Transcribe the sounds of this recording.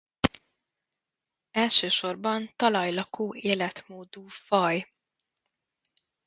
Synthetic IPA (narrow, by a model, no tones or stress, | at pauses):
ɛlʃøːʃo̞rbɒnt̪ɒlɒjlɒkoːeːlɛt̪moːd̪uːfɒj